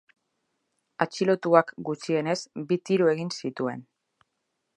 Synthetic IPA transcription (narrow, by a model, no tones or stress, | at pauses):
at͡ʃilo̞t̪uakɡut͡sie̞ne̞sbit̪iɾue̞ɣinsit̪ue̞̰n